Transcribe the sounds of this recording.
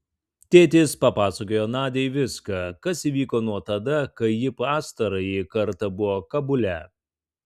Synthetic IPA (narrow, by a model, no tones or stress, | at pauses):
t̪ʲeːt̪ʲeːspɐpɑːsɐkoːjoːnɑːd̪ʲɛjʋʲɪskɐkɐsiːʋʲiːkoːnuɔt̪ɐd̪ɐkɐɪjɪpɑːst̪ɐɾɐjikɐɾt̪ɐbʊʋoːkɐbʊlʲɛ